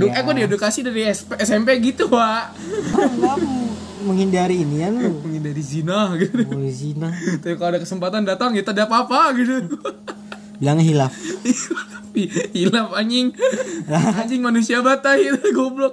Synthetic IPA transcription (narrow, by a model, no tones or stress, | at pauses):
dukakudiedukasidaɾispɛsɛmpeɡit̪uwa | aa | məŋhindaɾiːnijanməŋindaɾizinahɡit̪izinat̪apikaloadakəsəmpat̪andat̪aŋit̪adapapaɡidu | bilaŋɦilafhila | fihilafaɲɪŋaɦaɲd͡ʒɪŋmanusiabat̪aiɡɔblɔk̚